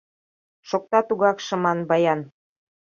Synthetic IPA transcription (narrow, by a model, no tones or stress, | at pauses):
ʃok̚t̪ɑt̪uɣɑkʃɤ̆mɑnbɑjɑn